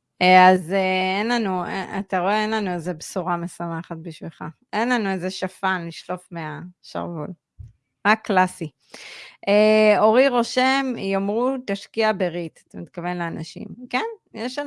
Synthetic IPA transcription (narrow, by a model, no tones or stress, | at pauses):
eazeenlanuḛa̰t̪aʁo̞eenlanuezebsuʁame̞samaχat̪̚biʃvilχa̰ | e̞nlanuezeʃafanliʃlo̞fmeaʃa̰ʁvul | ʁakːlasi | ʔeo̞ʁiʁo̞ʃemjomʁut̪aʃkiabeʁit̪ḁt̪amit̪kave̞nleana̰ʃḭmkenjeʃa